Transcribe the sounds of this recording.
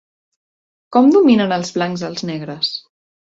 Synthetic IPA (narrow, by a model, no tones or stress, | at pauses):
kɔmd̪uminənəlˠzβlaŋzðəlˠznɛɣɾəs